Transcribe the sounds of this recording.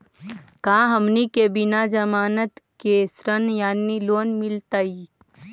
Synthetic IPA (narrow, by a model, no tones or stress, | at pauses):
kãːɦɐmnikebɪnad͡ʒɐmaːnət̪kesɾənjaːniloːnmɪlt̪aiː